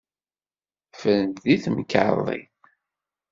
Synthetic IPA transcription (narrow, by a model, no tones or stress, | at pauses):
fəlnðiθmkʕðˤḭ